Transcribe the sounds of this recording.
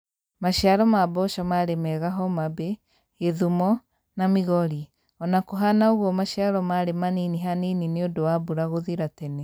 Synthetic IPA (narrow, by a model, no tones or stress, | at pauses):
maʃiaɾɔmabɔʃɔmaɾemɛːɣaɦɔmabe | eðumɔ | namiɣɔɾi | ɔnakoɦanaoɣwɔmaʃaɾɔmaɾemaniniɦaninineodowabuɾaɣoðiɾatɛne